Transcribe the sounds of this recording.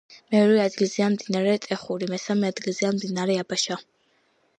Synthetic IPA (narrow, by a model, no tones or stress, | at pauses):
mɛɔɾɛad̪ɡilzianmd̪inaɾɛt̪ʼɛχuɾimɛsamɛad̪ɡilˠzianmd̪inaɾɛabaʃa